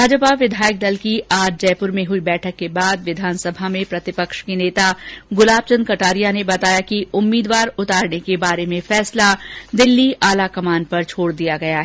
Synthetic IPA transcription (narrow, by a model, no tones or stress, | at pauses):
bʱaːd͡ʒəpaʋɪd̪ʱaːjək̚d̪ɐlkiʔaːɾd͡ʒɛːpʊɾmẽɦʊibɛːʈʰəkːebaːd̪ʋɪd̪ʱaːnsɐbʱamẽpɾɐt̪ɪpəkʃkeneːt̪aɡʊlaːb̚t͡ʃə̃nd̪kɐʈaːɾijanebɐt̪aːjakiʊmːiːd̪ʋaːɾʊt̪aːɾnekebaːɾemẽfɛːslad̪ɪlːiʔaːlakɐmaːn̚pɐɾt͡ʃʰoːɽd̪ijaɡɐjaɦɛ